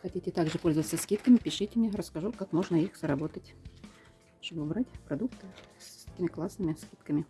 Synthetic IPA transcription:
xɐtʲitʲɪt̪aɡʐɨpo̞lʲzəvət̪səskʲit̪kəmʲɪpʲɪʂɨtʲɪmʲnʲeɾəskɐʐukakmo̞ʐnəixzəɾɐbo̞t̪ətʲ | ʂt̪obɨʊbɾatʲpɾɐd̪ukt̪ɨssɛ̥t̪ʲɪmʲɪklˠasnɨmʲɪskʲit̪kəmʲɪ

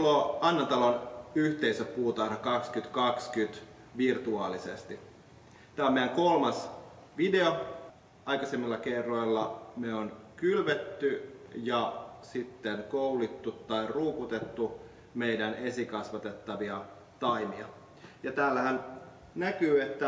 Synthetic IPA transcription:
loɑnːɑnt̪ɑlonyht̪eisøppuːt̪ɑinɑkɑkskyt̪kɑkskyt̪ | ʋirt̪uɑːlisḛst̪i | t̪æːomejæŋkolmɑs | ʋide̞o | ɑikɑsemːilːɑkerːoilːɑmeonkylʋet̪ːyjɑsit̪ːenkoulit̪ːut̪ːɑiruːput̪et̪ːu | meidænesikɑsʋɑt̪et̪ːɑʋiɑ | t̪ɑimiɑ | jɑt̪æːlːæhæn | nækyːet̪ːæ

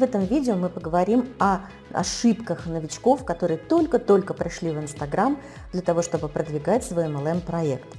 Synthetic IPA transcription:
vɛt̪əmvʲidʲɪomɨpəɡəvɐɾʲimɐ | ɐ̰ʂɨpkəxnəvʲɪt͡ɕko̞fkɐt̪o̞ɾɨjət̪o̞lʲkət̪o̞lʲkəpɾʲɪʂlʲivɨnst̪ɐɡɾam | d̪lʲɐt̪ɐvo̞ʂt̪o̞bɨpɾəd̪vʲɪɡatʲsvoɛmɛlˠɛmpɾɐekt̪

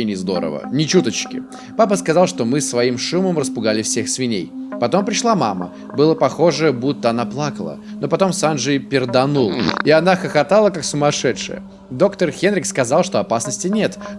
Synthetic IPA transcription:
enʲɪzd̪o̞̰ɾə̰və̰nʲɪt͡ɕut̪ət͡ɕkʲɪ̰ | papəskɐzɑlˠʂt̪o̞mɨsːvɐimʂuməmrəspʊɡalʲɪfsʲe̞xsvʲɪnʲejpɐt̪o̞mpɾʲɪʂlˠama̰mə̰ | bɨlˠəpɐxo̞ʐəəbut̪ːəɐnaplˠakəlˠə̰no̞pɐt̪o̞msanʐɨjpʲɪrd̪ɐnulˠɪɐnaxəxɐt̪alˠəkaksʊmɐʂɛt̪ʂɨ̰jə̰ | d̪o̞kt̪ərxʲenɾʲɪkskɐzɑlˠʂt̪oɐpasnəsʲtʲɪnʲe̞t̪

